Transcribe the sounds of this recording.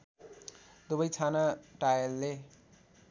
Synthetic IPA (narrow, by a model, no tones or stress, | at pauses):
d̪ubʌjt͡sʰanaʈajʌlːe